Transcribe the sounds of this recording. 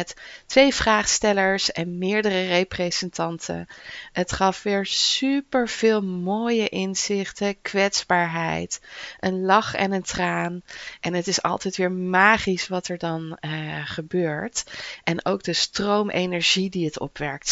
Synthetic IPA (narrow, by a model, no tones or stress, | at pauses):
ɛtːʋejvraːχstɛləɹsɛnmɪːɹdərərejprezəntɑntʰə̰ətχɑfʋɪːɹsypəɹv̥ɪːlˠmoːjəʔɪnz̥ɪχtəkʋɛtsbaːɹɦɛjtʔənlɑχɛ̰nəntraːnʔɛnɦətɪsɑ̰lˠtɛjtʋɪːɹmaːχisʋɑtɛɹdɑnχəbøːɹtʔɛnowɡ̚dəstrowmʔejnɛɹʒidiətɔ̰pʋɛɹk̚t